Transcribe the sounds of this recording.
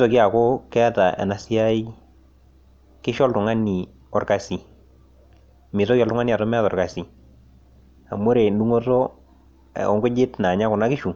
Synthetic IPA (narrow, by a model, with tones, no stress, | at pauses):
sɔ˨ki˦a˨ko˦kɛ˦ta˨ʔɛ̰˨na˨sɪ˦ja˦i˦ | kɪ˦ʃɔ˦ltʊ˨ŋa˦ni˨ | ɔ˨rka˨si˨ | mɪ˨tɔ˦ki˦ɔ˨ltʊ˦ŋa˦ni˦a˨tɔ˦mɛ˦tɔ˨rka˨si˨ | a˨mo˦ɾe˨ndu˦ŋo˦to̰˦˨ | ɔ̰˦ŋɡʊ˦d͡ʒɪ˦tna˨ɲa˦kʊ˨na˦kɪ˦ʃu˨